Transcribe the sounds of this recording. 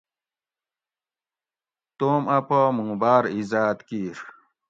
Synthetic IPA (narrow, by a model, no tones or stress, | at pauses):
t̪oːmɐpomũːbaːɾizaːt̪kiɾ